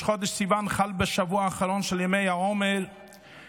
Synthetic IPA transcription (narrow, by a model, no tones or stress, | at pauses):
χod̪eʃsimanχalbeʃavuaːχaɾonʃeljamejhaomeɾ